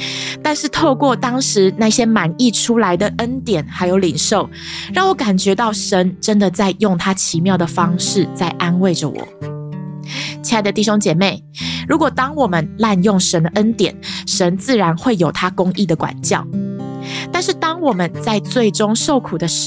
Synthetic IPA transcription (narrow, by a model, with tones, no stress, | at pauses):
t̪a˥˧nʂɻ̩˥˧t̪ʰo˥˧kwɔ˥˨˩t̪ɑ˥ŋʂɻ̩˧˥˦na˥˩ɕjɛ˥ma˨˩ni˥˩ʈ͡ʂʰu˥la˧˦ɪd̪ə˨ʔə˦˥nt̪jɛ˨˩nxa˧˥ɪjo˧˥ʊli˨˩ŋʂo˥˩ʊ | ɻɑ˥˩ŋwɔ˧˦ka˨˩nt͡ɕɥɛ˧˥t̪ɑ˥˩ʊʂə˧˦nʈ͡ʂə˦nd̪ə˨t͡sa˥˧ɪjʊ˥˩ŋt̪ʰa˥t͡ɕʰi˧˦mjɑ˥˩ʊd̪ə˩fɑ˥ŋʂɻ̩˥˨t͡sa˥˩ɪʔa˥nwe˥˩ɪʈ͡ʂə˨˩wɔ̰˨˩˦ | t͡ɕʰi˧˥a˥˩d̪ə˩t̪i˥˩ɕ̬jo˥ŋt͡ɕjɛ˨˩me˥˩ɪ | ɻu˧˥kwɔ˨˩t̪ɑ˥ŋwɔ˨˩mə˦nla˥˧njo˥˩ŋʂə˨˥nd̪ə˨ʔə˦˥nt̪jɛ̰˨˩nʂə˧˦nt͡sɹ̩˥˩ɻa˧˥nxwe˥˩ɪjo˨˩ʊt̪ʰa˥kʊ˥ŋi˥˩d̪ə˩kwa̰˨˩nt͡ɕjɑ̰˥˨˩ʊ | t̪a˥˧nʂɻ̩˥˩t̪ɑ˥ŋwɔ˨˩mə˦nt͡sa˥˧ɪt͡swe˥˩ɪʈ͡ʂʊ˥ŋʂo˥˩ʊkʰu˨˩d̪ə˦